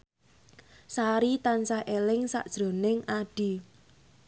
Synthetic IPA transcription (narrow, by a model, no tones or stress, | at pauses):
saɾit̪ansahʔelɪŋsa̰ʔd̥ʒ̥ɾo̤nɪŋʔaɖ̥i̤